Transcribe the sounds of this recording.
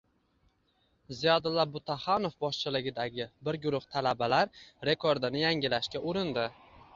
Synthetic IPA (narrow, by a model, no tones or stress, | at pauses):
zijɒd̪ɪlːabʊt̪ʰaχɑno̞fbɒʃt͡ʃʰɪlɪɡʲɪd̪aɡʲɪbɪɾɡʊɾʊht̪ʰalabalaɾɾe̞kʰo̞ɾd̪ɪnɪjaŋʲɪlaʃkʲaʔʊɾɪnd̪ɪ